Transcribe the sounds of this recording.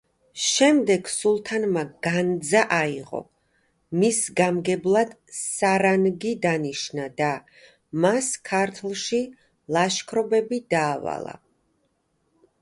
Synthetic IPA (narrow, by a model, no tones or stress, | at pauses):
ʃɛmd̪ɛɡ̥sulˠt̪ʰanmaɡ̥and̪zaʔaiʁɔ̰ | misɡamɡɛblˠad̪̥ | saɾanɡid̪aniʃnad̪a | maskʰaɾt̪ʰlˠʃi | lˠaʃkʰɾɔbɛbid̪aːva̰lˠa̰